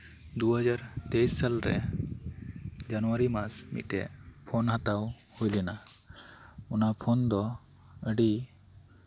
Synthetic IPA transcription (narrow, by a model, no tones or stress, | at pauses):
d̪uɦəd͡ʒaɾt̪ejsːalɾɛ̰ | d͡ʒanɔaɾimasmḭʈɛ̰pʰonɦat̪awhojlina | unapʰond̪ɔ | əɖi